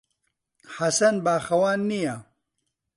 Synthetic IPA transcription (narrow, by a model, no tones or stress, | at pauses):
ħɐsɐnbaːxɐwaːnːijɐ